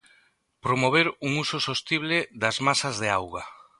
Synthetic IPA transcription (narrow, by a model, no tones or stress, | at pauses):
pɾomoβ̞eɾuŋusosost̪iβlɪðazmasazðeawɣa